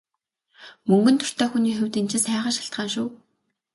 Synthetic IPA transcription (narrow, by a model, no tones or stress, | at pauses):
mɵŋɡɵ̆nt̪ʰʊ̥r̥t̪ʰœːxuniːxewʲt̪int͡ɕʰɪ̆sæːʁə̆ʃaɬt̪ɢaːnʃʊː